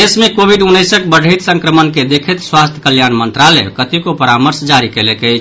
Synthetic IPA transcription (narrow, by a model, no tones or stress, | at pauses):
esmekobʱiɖunːəjsək̚bəɖʱit̪sə̃ŋkɾəmənked̪ekʰet̪swast̪ʰjkəljanmənt̪ɾalḛkət̪ikopəɾaməɾsd͡ʒaɾikelɛkəjt͡ʃʰ